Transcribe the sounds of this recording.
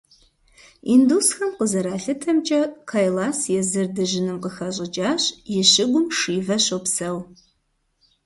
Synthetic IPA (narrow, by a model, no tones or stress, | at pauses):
indusxɐmqəzɐɾaːɬɨtʰɐmt͡ʃʼɐqʰajlaːsjɛzɨrdɨʒɪnɨmqəxɐɕʼɪd͡ʒʼaːɕʼjɪɕɪɡʷʊmʂiːvɐɕowpsɐw